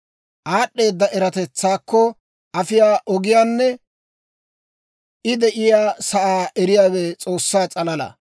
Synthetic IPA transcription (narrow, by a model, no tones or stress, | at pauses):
ʔaːɗːe̞ːd̪ːɐʔɛɾɐt̪ɛt͡sːaːkːɔ | ɐfɪjaːʔɔɡɪjaːnːɛ | ʔɪd̪ɛʔɪjaːsɐʔaːʔɛɾɪjaːwɛt͡sʼo̞ːsːaːt͡sʼɐlɐlɐ̰